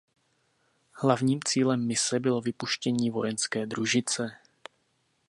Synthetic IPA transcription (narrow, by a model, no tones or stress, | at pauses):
hlavɲiːmt͡siːlɛmːɪsɛbɪlo̞vɪpuʃcɛɲiːvo̞jɛnskɛːd̪ɾuʒɪt͡sɛ